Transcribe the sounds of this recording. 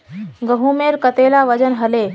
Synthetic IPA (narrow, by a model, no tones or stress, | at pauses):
ɡəɦumeːlkət̪eːlaʋəd͡ʒənɦəleː